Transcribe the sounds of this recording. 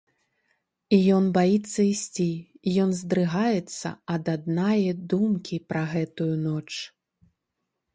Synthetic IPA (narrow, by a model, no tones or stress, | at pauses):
ijɔnbajit̪sːɐisʲt͡sʲijɔnzd̪ɾɨɣajɛt̪sːɐ̰ɐd̪ad̪najɐd̪umkʲipɾɐɣɛt̪ujunɔt͡ʂ